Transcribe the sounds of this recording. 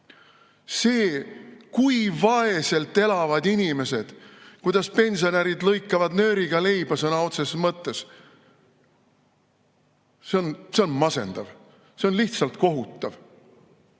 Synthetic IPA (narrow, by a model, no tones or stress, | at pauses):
se̞ːkujvɑe̞se̞lt̪ːˑe̞lɑvɑd̪inʲime̞se̞d̪̥kujd̪̥ɑspe̞nʲsio̞næɾid̪lɤjkːˑɑvɑd̪nø̞ːɾiɡ̥ɑle̞jb̥ɑsɤnɑo̞t̪sesmɤt̪ːˑe̞s | seo̞nse̞o̞nmɑse̞̰nd̪̥ɑv | se̞onliht̪sɑlt̪ko̞ɦut̪ːˑɑv